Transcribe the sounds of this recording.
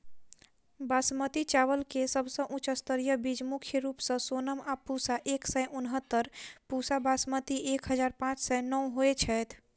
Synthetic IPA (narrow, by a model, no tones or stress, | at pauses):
basmət̪it͡ʃaʋəlkesəbsə̃ʔũt͡ʃəst̪əɾjəbid͡ʒmukʰjəɾupsə̃sonəmapusaʔeksɛjʔunɦət̪ːəɾpusabasmət̪iʔekɦəd͡ʒaɾpãt͡ʃʰsɛnəwɦoet͡ʃʰɛjt̪ʰ